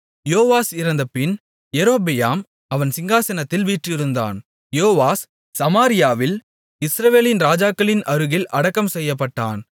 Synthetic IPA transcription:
joːʋaːsɪɾɐnd̪ɐpːɪn | jɛɾoːbɪjaːm | ɐʋɐnsɪŋɡaːsɐnɐt̪ːɪlʋiːʈrɪɾɯnd̪a̰ːn | joːʋaːs | sɐmaːɾɪjaːʋɪl | ɪsɾɐʋeːlɪnɾaːd͡ʒaːkːɐlɪnɐɾɯɣɪlʔɐɽɐkːɐmsɛjːɐp̬ːɐʈːaːn

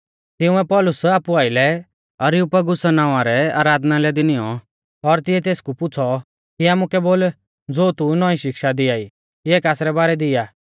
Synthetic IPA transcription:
t̪ɪũɛpɔlʊsaːpuaːɪlɛ | ɐɾjʊpɐɡʊsanaːʊʋãɾɛa̰ːɾaːd̪nalɛd̪ɪnɪjɔ | ɔɾt̪ɪɛt̪eːskupʊt͡sʰɔ | kiaːmʊkɛboːl | d͡zoːt̪unɔ̃ĩʃɪkʃad̪ɪaːi | kieːkaːsɾɛbaːɾɛd̪ɪjaː

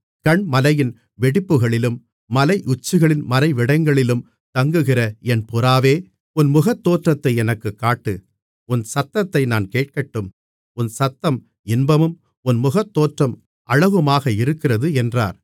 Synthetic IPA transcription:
kɐɳmɐlɐjɪn | ʋɛɽɪpːɯɣɐɭɪlɯmː | ɐlɐɪʔʊt͡ʃːɯɣɐɭɪnmɐlɐɪʋɪɽɐɪŋɡɐɭɪlɯm | t̪ɐŋɡɯɣɪrɐɛnpʊɾaːʋeː | ʊnmʊɣɐt̪ːoːʈrɐt̪ːɐɪɛnɐkːɯkːaːʈːɯ | ʊnsɐt̪ːɐt̪ːɐɪnaːnkeːʈ̚kɐʈːɯm | ʊnsɐt̪ːɐm | ɪnbɐmɯm | ʊnmʊɣɐt̪ːoːʈrɐm | ʔɐɻɐʋɯmaːɣɐɪɾɯkːɪrɐðɯɛndra̰ːɾ

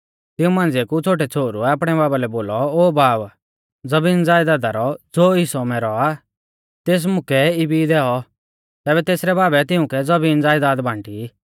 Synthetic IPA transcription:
t̪ɪũmãːnd͡zekut͡sʰoːʈ̬ɛt͡sʰoːɾuɛaːp̬ɽ̃ɛbaːbalɛboːlɔoːbaːb | d͡zɐbiːnd͡zaːjd̪aːd̪aɾɔd͡zoːɪsɔmɛɾɔa | t̪eːs̬mʊkɛɪbid̪ɛːɔ | t̪ɛːβɛt̪eːsɾɛbaːbɛt̪ɪũkɛd͡zɐbiːnd͡zaːjd̪aːd̪bʱãːɳʈi

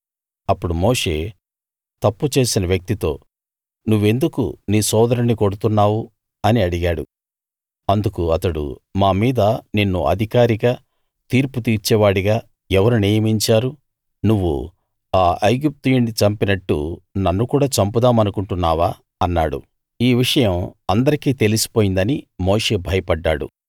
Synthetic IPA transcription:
ɐpːuɽumoːʂe̞̰ | t̪ɐpːut͡ʃe̞ːsinɐʋjɐk̚t̪it̪o̞ː | nuʋːe̞nd̪ukṵniːsɔːd̪ɐɾɐnːiko̞ɽut̪unːaːwu | ɐniɐɽiɡaːɽṵ | ɐnd̪ukuɐt̪ɐɽṵmaːmiːd̪ɐninːṵʔɐ̰d̪ʱikaːɾiɡaː | t̪iːɾput̪̬iːɾt͡ʃɛːʋaːɽiɡaː | ɛʋɐɾuniːjɐmiɲt͡ʃaːɾu | nuʋːṵ | aːʔɐjɡip̚t̪ujiɳɖit͡ʃɐmpinɐʈːṵnɐnːukuːɽaːt͡ʃɐmpud̪aːmɐnukuɳʈunːaːʋaː | ɐnːaːɽṵ | iːʋiʂɐjɐmɐnd̪ɐɾikiːt̪e̞lisi̥po̞ːjind̪ɐnimoːʂe̞ːbʱɐjɐpɐɖːa̰ːɽṵ

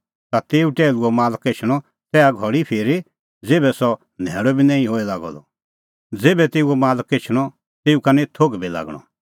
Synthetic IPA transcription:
t̪at̪eːuʈeːluɔmaːləket͡ʃʰɽ̃ɔ | t̪ɛːaɡʱɔɽipʰeːɾi | d͡zeːbɛsɔ | nʱɛːɽɔbinãːĩɦoːilaːɡɔ̰d̪ɔ | d͡zeːbɛt̪eːuɔmaːlket͡ʃʰɽ̃ɔ | t̪eːukanɛt̪ʰoɡbila̰ːɡɽ̃ɔ̰

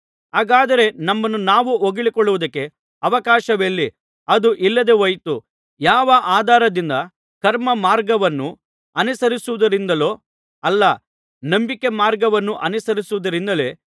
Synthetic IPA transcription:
ɦaːɡaːd̪ɐɾe̞nɐmːɐnːunaːʋuoɡiɭikɔɭːuʋud̪ɐkːe̞ | ɐʋɐkaːʃɐʋelːi | ɐd̪uʔilːɐd̪e̞ʋɐjt̪u | jaːʋɐʔaːd̪ʱaːɾɐd̪ind̪ɐ | kɐɾmɐmaːɾɡɐʋɐnːu | ɐnisɐɾisuʋud̪ɐɾind̪ɐlo̞ː | ɐlːɐ | nɐmbikemaːɾɡɐʋɐnːuʔɐnisɐɾisuʋud̪ɐɾind̪ɐle̞ː

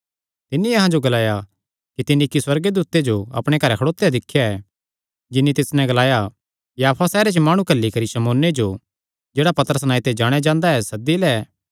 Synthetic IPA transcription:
t̪ɪnːiɐɦãd͡ʒoɡɐlaːja | kit̪ɪniɪkiswɐɾɡd̪uːt̪ed͡ʒoɐ̰pɽ̃ekɐɾɛkʰɐɽoːt̪ːejad̪ɪkʰːjaɛ | d͡ʒɪnːit̪ɪsnɛ̃ɡɐlaːja | jaːpʰasɛːɾet͡ʃəmaːɽ̃ũkɐlːikɐɾiʃɐmoːnːed͡ʒo | d͡ʒeːɽapɐt̪əɾəsnaːit̪ed͡ʒaːɽ̃jed͡ʒãːnd̪aɛsɐd̪ːilɛː

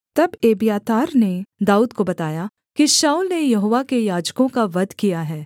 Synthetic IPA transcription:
t̪ɐbeːbijaːt̪aːɾned̪aːuːd̪kobɐt̪aːja | kiʃaːuːlnejɐɦoːʋakejaːd͡ʒkõkaʋɐd̪ʱkijaɦɛː

